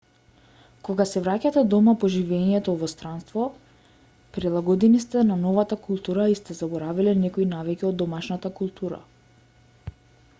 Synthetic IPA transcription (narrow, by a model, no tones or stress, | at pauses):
koɡasɛvɾacat̪ɛd̪ɔmapɔʒivɛɲɛt̪ɔvɔst̪ɾanst̪vɔ | pɾilˠaɡɔd̪ɛnist̪ɛnanɔvat̪akulˠt̪uɾaist̪ɛzabɔɾavilɛnɛkɔinavikʲiɔd̪ːɔmaʃnat̪akulˠt̪ʰuɾa̰